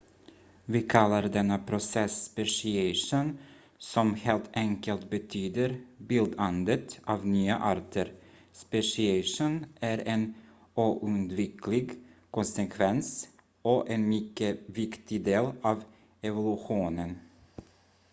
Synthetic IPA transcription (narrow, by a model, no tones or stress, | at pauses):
vɪkʰalːaɾd̪ɛnːapʰɾʊsɛspɛʂɪɛʂun | sɔmheːlt̪ʰɛŋkəlt̪bɛt̪ʰyːd̪əɾbɪld̪and̪ət̪ɑːvnyːa̰ʔɑːɾʈ̪ʰəɾ | spɛʂɪɛʂunæɾɛn | uːʔɵnd̪vɪklɪɡkʰɔnsɛkʰvɛns | ɔʔɛnmʏkːəvɪkt̪ɪd̪eːlɑːv | ɛvʊlʉɧuːnən